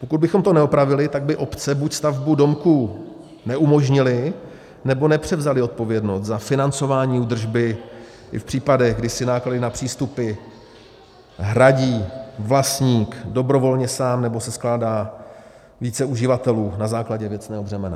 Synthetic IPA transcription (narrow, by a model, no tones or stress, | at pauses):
po̞kud̪bɪxo̞mt̪o̞nɛopɾavɪlɪt̪aɡ̚bɪʔo̞pt͡sɛbucst̪avbudo̞mku | nɛʔumo̞ʒɲɪlɪ | nɛbo̞nɛpr̝̥ɛvzalɪo̞t̪̚po̞vjɛdno̞st̪zafɪnant͡so̞vaːɲiːud̪r̩ʒbɪ | ʔɪ̰fpr̝̥iːpadɛɣɡdɪsɪnaːkladɪnapr̝̥iːst̪upɪ | ɦɾaɟiːvlast̪ɲiːkdo̞bɾo̞vo̞lɲɛsaːmnɛbo̞sɛsklaːdaː | viːt͡sɛuʒɪvat̪ɛluːnazaːklaɟɛvjɛt͡snɛːɦobrɛmɛna̰